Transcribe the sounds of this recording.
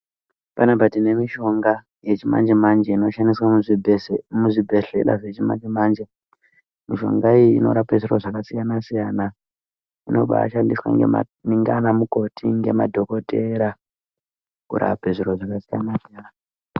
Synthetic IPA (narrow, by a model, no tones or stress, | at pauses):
panapatine̞miʃo̞ŋɡa | je̞t͡ʃima̰nd͡ʒemand͡ʒeino̞ʃandiswam | muʐibʱe̞ɬe̞̰ɗa̰ʐe̞t͡ʃima̰nd͡ʒemand͡ʒe | miʃo̞̰ŋɡaijiːno̞̰ɾape̞ʐuɾoʐakasijanasijana | ino̞̰ɓa̰ʃandiswa̰ŋ̰ | niŋɡanamuko̞tʰiŋɡe̞madʱo̞ko̞te̞ɾa | kuɾa̰peʐiɾoʐakasijanasijaːna